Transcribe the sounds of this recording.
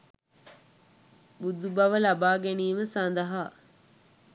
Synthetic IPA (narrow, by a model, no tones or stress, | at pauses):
bud̪ubɐʋəlabaːɡeniːʋəsand̪ɐɦaː